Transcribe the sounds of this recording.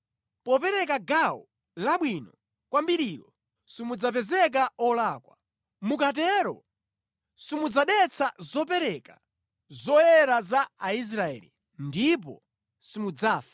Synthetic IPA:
pɔpɛɾɛkaɡawɔ | laɓwinɔ | kwambiɾiɾɔ | simud͡zapɛzɛk̬aɔlaːkwa | mukatɛɾɔ̰ | simud͡zaɗɛt͡sʰazɔp̬ɛɾɛka | zɔjɛɾazaːis̬ɾaɛ̰lḭ | ndip̬ɔ̰ | simud͡zaːfḁ

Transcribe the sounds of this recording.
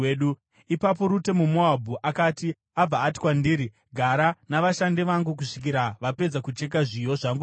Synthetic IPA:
ɗu | ipap̬o̞ɾute̞mumoabʱuʔakaːti | ab͡vaːtiwandiːɾi | ɡʱaɾanaʋaʃandiʋaŋɡuk̬uʂi̥kiɾaʋape̞d͡zakut͡ʃe̞k̬aʐijo̞ʐaŋɡu

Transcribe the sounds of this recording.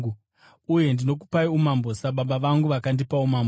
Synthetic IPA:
uje̞ndino̞ku̥paiumambo̞saɓaɓaʋaŋɡuʋakandipaumambo

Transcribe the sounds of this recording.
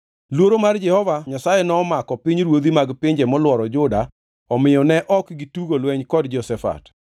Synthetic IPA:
lwoɾomard͡ʒɛhɔvaɲasajɛnɔːmakɔpiɲɾwod̪imaɡpɪɲd͡ʒɛmɔlwɔɾɔd͡ʒʊda | ɔmɪjɔnɛʔɔkɡituɡolwɛɲkɔdd͡ʒɔsɛfa̰t

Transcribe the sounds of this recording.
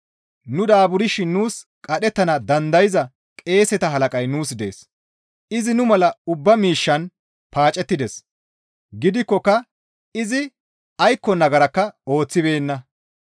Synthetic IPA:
nʊd̪aːbʊɾɪʃɪnːuːs | kʼɐɗɛt̪ːɐnɐd̪ɐnd̪ɐjɪzɐ | kʼe̞ːsɛt̪ɐɦɐlɐkʼɐjnuːsd̪ḛːs | ɪzɪnʊmɐlɐʊbːɐmiːʃːɐn | paːt͡ʃʼːɛt̪ːɪd̪ɛs | ɡɪd̪ɪkːɔkːɐ | ɪzɪ | ɐjkːɔnɐɡɐɾɐkːɐo̞ːt͡sːɪbe̞ːnːɐ

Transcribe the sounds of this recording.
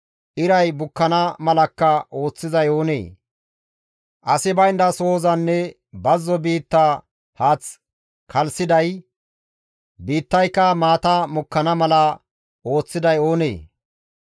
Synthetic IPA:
ʔɪɾɐjbʊkːɐnɐmɐlɐkːɐʔo̞ːt͡sːɪzɐjo̞ːnḛː | ʔɐsɪbɐjnd̪ɐso̞ːzɐnːɛ | bɐzːɔbiːt̪ːa | haːt͡s | kʰɐlsɪd̪ɐj | biːt̪ːɐjkːɐmaːt̪ɐmʊkːɐnɐmɐlɐ | ʔo̞ːt͡sːɪd̪ɐjo̞ːnḛː

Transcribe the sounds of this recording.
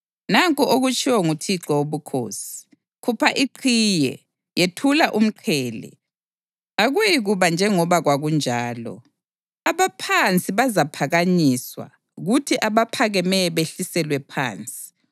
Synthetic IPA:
naŋkʼuʔoɣut͡ʃʼiwɔŋutʰiǁɔoβukʰo̰ːsi̥ | kʰupʰaʔiǃʰijɛ̰ | jetʰulaʔum̩ǃʰɛːlɛ̰ | aɣuiɣuβand͡ʒʱɛŋɔβaɣwaɣund͡ʒʱaːlɔ̰ | aβapʰant͡sʼiβazapʰaɣaɲiswa̰ | ɣutʰiʔaβapʰaɣɛmɛɛβeɬisɛlwɛpʰa̰ːnt͡sʼi̥

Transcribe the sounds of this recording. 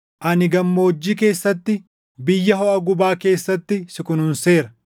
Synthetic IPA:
ʔɐnɪɡɐmːoːd͡ʒːiːke̞ːsːɐt̪ːɪ | bɪjːɐɦɔʔɐɡʊbaːke̞ːsːɐt̪ːɪsɪkʊnhʊnse̞ːɾɐ

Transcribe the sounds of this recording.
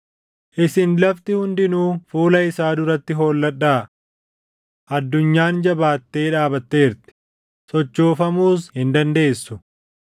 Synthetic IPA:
ʔɪsɪnlɐft̪ɪhʊnd̪ɪnuːfuːlɐɪsaːd̪ʊɾɐt̪ːɪɦoːlːɐᶑːaː | ʔɐd̪ːʊɲːaːnd͡ʒɐbaːt̪ːe̞ːᶑaːbɐt̪ːe̞ːɾt̪ɪ̥ | sɔt͡ʃːoːfɐmuːs̬hɪnd̪ɐnd̪e̞ːsːʊ

